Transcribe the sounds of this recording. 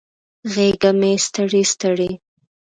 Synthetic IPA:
ɣeɡamest̪əɽist̪əɽe

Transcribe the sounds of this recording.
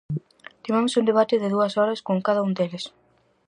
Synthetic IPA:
t̪imamʊsund̪eβ̞at̪ɪðɪðuɐsɔɾɐskoŋkaðɐund̪elɪs

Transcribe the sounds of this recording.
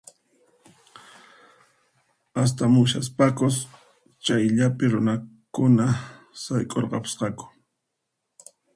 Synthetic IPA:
as̬t̪amʊʃas̬pakʊs | t͡ʃajʎapɪɾʊnakʊna | sajkʼoɾqɑpɪ̥sqɑkʊ̥

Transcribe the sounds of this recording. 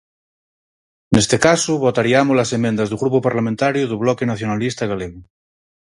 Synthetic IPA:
nest̪ekasuβot̪aɾiamolasemẽnd̪azðuɣɾupopaɾlamẽnt̪aɾjoðuβ̞lɔkenaθjonalist̪aɣaleɣo

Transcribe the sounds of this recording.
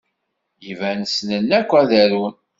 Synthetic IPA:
jivænəsnənːækʷːæðæɾun

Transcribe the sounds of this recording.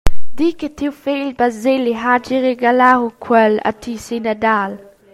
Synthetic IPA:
d̥ikətʰiwfeːlbazeliɦad͡ʒiʁeɡalaukʰwɛla̰tʰisinədaːl

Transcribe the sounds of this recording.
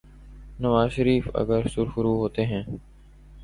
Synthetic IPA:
nəʋaːzʃəɾiːfə̰ɡəɾsʊɾxʊɾuːɦoːt̪eːɦɛ̃ː

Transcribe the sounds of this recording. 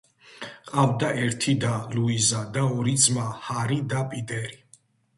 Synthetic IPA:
qʼavd̪aʔɛɾt̪ʰid̪aluizad̪aɔɾid̪zmahaɾid̪apʼid̪ɛɾi

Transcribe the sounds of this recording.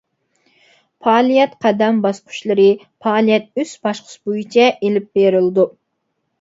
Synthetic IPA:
pʰɑːlˠijɛt̪qʰɑd̪ɛmbɑsqʰʊ̥ʃlˠɨɾɨ | pʰɑːlˠijɛt̪̚ysbɑʃqʰʊ̥sbojut͡ʃʰɛʔelɪp̚beɾɪld̪u

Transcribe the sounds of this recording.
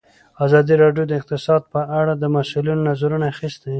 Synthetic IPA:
azɑd̪iɾɑɖjod̪əɪq̚t̪ɪsɑd̪̚pəʔaɽad̪əmasulinonazaɾunaaxist̪a

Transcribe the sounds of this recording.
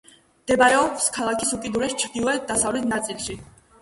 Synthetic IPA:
d̪̥ɛbaɛɔfskʰalˠakʰisukʼid̪uɾɛst͡ʃʰɾd̪ilˠɔɛd̪asavlɛt̪ʰnat̪sʼilʃi

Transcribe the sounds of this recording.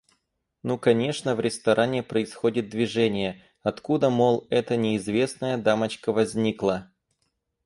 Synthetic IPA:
nukɐnʲe̞ʂnəvɾʲɪst̪ɐɾʔanʲɪpɾəɪsxo̞dʲɪt̪̚d̪vʲɪʐɛnʲɪjə | ɐt̪kud̪əmolˠɛt̪ənʲɪɪzvʲe̞snəjəd̪amət͡ɕkəvɐzʲnʲiklˠə

